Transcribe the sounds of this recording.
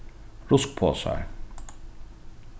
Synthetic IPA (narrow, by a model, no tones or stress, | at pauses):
ɾʊsk̚pʰo̰ːsɑ̰ɹ